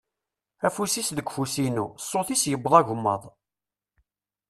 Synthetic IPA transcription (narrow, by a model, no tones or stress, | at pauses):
æfusisðəɡʷfusinusːoθisjəbːðˤɑʝəmːə̰ðˤ